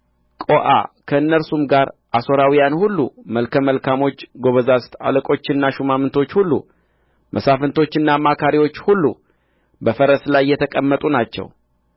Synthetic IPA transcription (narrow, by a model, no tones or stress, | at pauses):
kʼo̞ʔa̰kʰəɨnːəɾsumɡaɾʔaso̞ɾawijanhulːṵməlkʰəməlkʰamo̞t͡ʃːɡo̞βəzast̪ʰa̰ləkʼo̞t͡ʃːɪnːaʃumamɨnt̪ʰo̞t͡ʃːhulːṵ | mʔəsafɨnt̪ʰo̞t͡ʃːɨnːaːmːakʰaɾiwot͡ʃːhulːṵ | bəfəɾəslajːɛt̪ʰəkʼəmːət̪ʼunat͡ʃːɛ̰w